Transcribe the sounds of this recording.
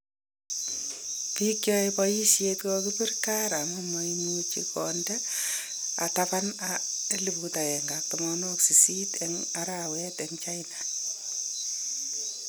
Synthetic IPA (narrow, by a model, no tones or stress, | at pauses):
pikjɔepɔjisjekokipirkaɾamumojnut͡ʃikɔndɛ | a̰tapanaelibutaɛŋɡak̚tɔmɔnoksisitɛŋaɾawɛteŋt͡ʃaina